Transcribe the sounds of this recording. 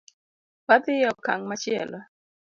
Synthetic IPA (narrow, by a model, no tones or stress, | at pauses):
pad̪ɪjɔka̰ŋmat͡ʃɪɛ̰lɔ